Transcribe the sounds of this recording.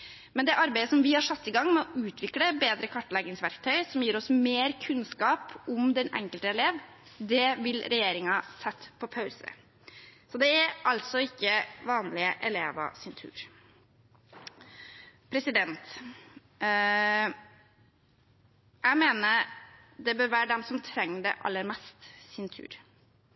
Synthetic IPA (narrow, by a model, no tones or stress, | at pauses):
mɛnd̪ɛʔɑɾbæɪəsɔmʋɪhɑɾʂɑt̪ːɪɡɑŋːmɛɔʔʉːt̪ʋɪkləbeːd̪ɾəkʰɑʈːəlɛɡɪŋsʋæɾkt̪ʰœʏsɔmjiːɾɔsmeːɾkʰʉnskɑːpʊmd̪ɛnɛ̰ŋkəlt̪əɛleːʋ | d̪ɛʋɪlɾɛjeːɾɪŋɑsɛt̪ːpʰɔpʰɑʉsə̰ | sɔd̪ɛæɾʔɑlt̪sɔɪkːəʋɑːnlɪəʔɛleːʋɑ̰sɪnt̪ʰʉ̰ːɾ | pʰɾɛsɪd̪ɛnt̪ | jæɪmeːnəɾ | d̪ɛbøːɾʋæːɖɛmsɔmt̪ʰɾɛŋːəɖɛ̰ʔɑ̰lːəɾmɛst̪sɪnt̪ʰʉ̰ːɾ